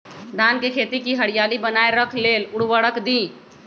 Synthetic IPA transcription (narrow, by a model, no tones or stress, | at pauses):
d̪ʱaːnkekʰet̪ikiɦəɽijalibənaeɾəkʰlelʊɽwəɽəkd̪ĩ